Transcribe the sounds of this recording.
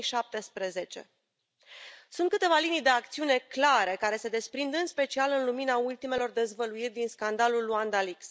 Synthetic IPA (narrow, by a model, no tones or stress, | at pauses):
ʃap̚t̪e̞spɾe̞ze̞t͡ʃe̞̰ | sunt̪kɨt̪e̞valinijd̪e̞akt̪siune̞klaɾe̞kaɾe̞se̞d̪e̞spɾind̪ɨnspe̞t͡ʃialɨnluminault̪ime̞lo̞rd̪e̞zvəluirʲd̪inskand̪alulːuand̪aliks